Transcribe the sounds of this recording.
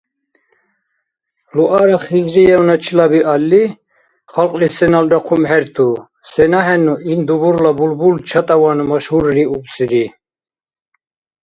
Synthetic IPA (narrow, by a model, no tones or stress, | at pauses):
luʔaɾaχizɾijɛunat͡ʃʰilabiʔalːi | χalqʼlisɛnalɾaqʰumhɛɾt̪ʰu | sɛnaɦɛnuʔind̪ubuɾlabulbult͡ʃʰat̪ʼavanumaʃhuɾɾiupsiɾi